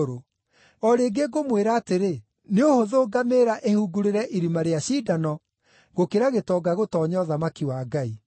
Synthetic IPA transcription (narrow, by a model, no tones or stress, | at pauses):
ɾo | ɔɾeːɡeɡomweɾaːteɾe | neohoðoːɡameːɾaʔehuɡuɾeɾɛʔiɾimaɾeaɕiːdanɔ | ɣokeɾaɣetɔɡaɣotɔːɲɔðamakiwaːɡai